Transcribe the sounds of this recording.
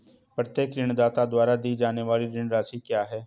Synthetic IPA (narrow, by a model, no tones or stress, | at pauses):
pɾət̪eːkɾɪɳd̪aːt̪aːd̪waːɾaːd̪iːd͡ʒaːneːʋaːliːɾɪɳɾaːsiːkjaːɦɛː